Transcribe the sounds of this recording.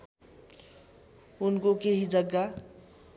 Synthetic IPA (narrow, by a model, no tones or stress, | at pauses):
unkokeɦid͡ʒʌɡːa